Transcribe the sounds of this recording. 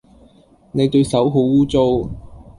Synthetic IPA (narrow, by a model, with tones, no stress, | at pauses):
ne˨˧jt̪ɵ˧ɥsɐ˨˥wɦo˨˥wuː˥t͡so˥w